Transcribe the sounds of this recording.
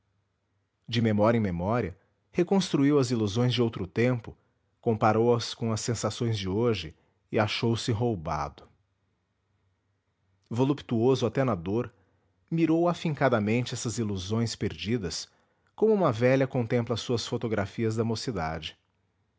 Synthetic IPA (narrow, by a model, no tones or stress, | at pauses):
d͡ʒɪmemɔɾjɐẽj̃memɔɾiɐ | hekõst̪ɾuiwɐziluzõj̃zd͡ʒɪowt̪ɾʊt̪ẽmpʊ | kõpaɾowɐskõw̃ɐsẽsasõj̃zd͡ʒɪoʒɪ | ɪaʃowsɪɦowba̰d̪ʊ | volupt̪uozʊat̪enad̪oɾ | miɾowafĩŋkad̪ɐmẽnt͡ʃɪɛsɐziluzõj̃speɾd͡ʒid̪ɐs | kõmʊumɐvɛʎɐkõnt̪ẽmplɐsuɐsfot̪oɡɾafiɐzd̪ɐmosid̪a̰d͡ʒɪ